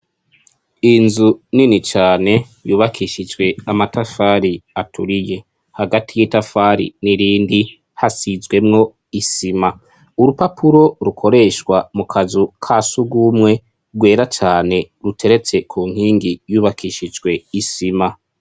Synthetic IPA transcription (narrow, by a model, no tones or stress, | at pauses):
inzuninit͡ʃaːne̞ | juːβakʰiʃid͡ʒwe̞amatafaːɾiatʰuɾije̞ | haɡatʰijitafaɾḭniɾiːndi | hasizwe̞mŋo̞ | isima | uɾupapʰuɾo̞ɾukʰo̞ɾe̞ʃwamukʰazukʰasuɡumŋe̞ | ɡwe̞ːɾat͡ʃaːne̞ɾutʰe̞ɾe̞t͡se̞kʰuːŋ̥iːŋɡijuːβakʰiʃid͡ʒɡwe̞isima